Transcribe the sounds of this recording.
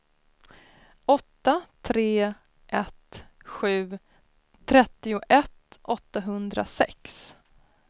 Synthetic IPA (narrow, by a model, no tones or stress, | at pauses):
ʔɔt̪ːat̪ʰɾeː | ʔɛt̪ɧʉ̟ː | t̪ʰɾɛt̪ːɪʊʔɛt̪ʔɔt̪ːaɦɵnd̪ɾa̰sɛ̰ks